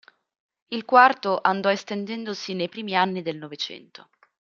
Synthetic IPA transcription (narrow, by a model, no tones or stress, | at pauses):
ilkwart̪oʔand̪ɔest̪end̪ɛnd̪osinejpɾiːmianːid̪elnovet͡ʃɛ̰nt̪o